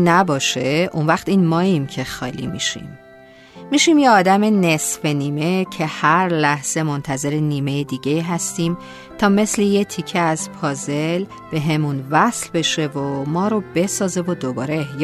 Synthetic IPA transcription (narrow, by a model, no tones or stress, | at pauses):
næbɒːʃeʔunvæxt̪iːnmɒːimcʰe̞xɒ̰ːlḭmḭʃḭmː | iʃimjeɒːd̪æme̞ne̞sfe̞niːme̞cʰe̞hæɾlæhz̥e̞mo̞nt̪ʰæze̞ɾeniːme̞jed̪iːɟe̞iːɦæst̪iːm | t̪ʰɒːme̞sle̞je̞t̪ʰicʰeæz̥pʰɒːze̞l | b̥e̞ɦe̞munvæslbe̞ʃe̞vomɒːɾo̞b̥e̞sɒːze̞vod̪obɒːɾe̞j